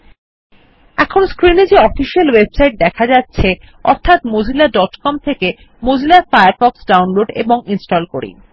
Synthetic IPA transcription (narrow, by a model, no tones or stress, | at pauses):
ɛkʰonskɾined͡ʑeɔfiʃialwebsajʈ̚d̪ɛkʰad͡ʑatːɕʰe | ɔ̰ɾt̪ʰat̪mod͡ʑʱilaɖɔʈkɔmt̪ʰeke | mod͡ʑʱilaɾfajaɾfɔksɖawnloɖḛboŋinsʈolkoɾḭ